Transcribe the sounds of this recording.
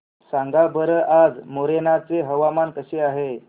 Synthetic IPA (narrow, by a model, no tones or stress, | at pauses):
saŋɡabəɾəʔad͡zmoɾenat͡seɦəʋamankəɕeaɦe